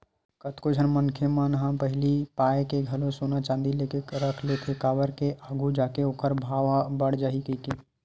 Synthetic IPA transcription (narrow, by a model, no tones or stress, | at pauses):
kət̪kod͡ʒʱənmənkʰemənɦãpəɦɪlipaːekeɡʱəlosonat͡ʃãːnd̪ilekeɾəkʰlet̪ʰekaːbəɾkeʔaːɡʱud͡ʒaːkeoːkəɾbʱaːʋabəɽd͡ʒaɦikike